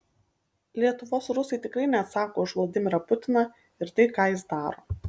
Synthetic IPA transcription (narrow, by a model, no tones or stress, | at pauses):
lʲiɛt̪ʊʋoːsɾʊsɐɪt̪ʲɪkɾɐɪnʲɛt̪sɑːkoːɪʃʋlˠɐd̪ʲɪmʲɪɾɐpʊt̪ʲɪnɐ | ɪɾt̪ɐɪkɑːjɪsd̪ɑːɾo̰ː